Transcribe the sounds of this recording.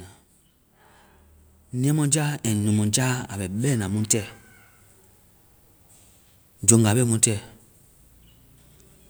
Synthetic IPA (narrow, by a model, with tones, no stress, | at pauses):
ã˨ | nĩ˦˨ɛ̃˦mɔ̃˨d͡ʒa˦ɛ̃˨nũ˨mɔ̃˨d͡ʒa˦a̰˨ɓɛ˨ɓɛ˦˨nã˨mũ˦tɛ˦˨ | d͡ʒõ˨ŋɡa˨ɓɛ˦mũ˦tɛ˦˨